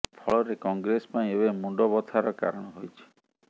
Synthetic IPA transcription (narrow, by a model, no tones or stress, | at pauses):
pʰɔɭɔɾekɔŋɡɾesɔ̥paĩebemuɖɔbɔt̪ʰaɾɔka̰ɾɔɽ̃ɔɦojt͡ʃʰi̥